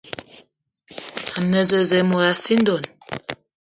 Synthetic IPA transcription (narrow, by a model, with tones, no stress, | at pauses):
a˨mne˨ze˨ze˨mo˨ɾa˨si˦nd̪o˨n